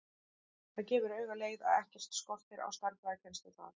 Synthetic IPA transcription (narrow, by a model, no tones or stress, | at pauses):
θaðcɛːvʏɾœːɥɣaleːjða̰ðɛhcɛ̥t̪skɔl̥t̪ɪɾa̰wst̪aɾkvaðacʰɛnst̪ʏθa̰ð